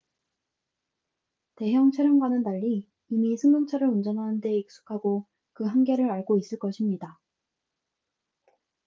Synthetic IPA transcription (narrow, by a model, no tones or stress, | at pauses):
te̞ɦjʌŋt͡ɕʰeɾjɯnɡwanɯntaʎːiː | misʰɯŋmɯŋt͡ɕʰaɾɯɾund͡ʑʌnɦanɯnde̞ik̚s͈u̥kʰaɡo | kɯɦaŋɡe̞ɾɯɾaɭɡois͈ɯɭk͈ʌɕʰimɲida